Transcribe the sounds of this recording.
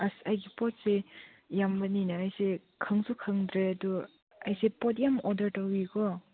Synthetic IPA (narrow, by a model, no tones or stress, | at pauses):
asajɡipɔt̚se | jambɐninaːjsekʰɯŋsukʰɯŋdɾeadɔ | ajsepɔt̬̚jamɔdɐɾtawiɡɔ